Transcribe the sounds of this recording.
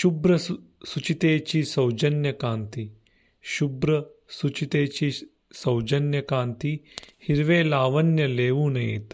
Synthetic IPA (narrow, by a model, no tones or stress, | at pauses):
ʃubɾɐsut͡ʃit̪eːt͡ʃisɐwd͡ʒɐnjɐkaːnt̪i | ʃubɾɐ | sut͡ʃit̪eːt͡ʃi | sɐwd͡ʒɐnjɐkaːnt̪ihiɾʋeːlaːʋɐnjɐleːʋunɐḛt̪